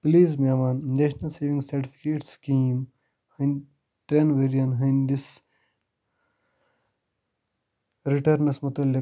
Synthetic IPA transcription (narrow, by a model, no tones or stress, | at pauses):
pliːzmeːmaːnd̪eːʃnɐlseːʋĩŋɡsɐɾʈifʰi̥keːʈskĩːm | hən | t̪ɾenʋeːɾijɐnɦənd̪is | ɾiʈɐɾnɐsmɐt̪ɐlːɐ